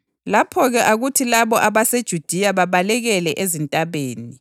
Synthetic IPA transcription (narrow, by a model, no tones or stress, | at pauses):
lapʰɔɣɛʔaɣutʰilaβɔʔaβased̥ʒ̥ʱud̥ʱiaβaβalɛɣɛlɛʔezintʼaβeːni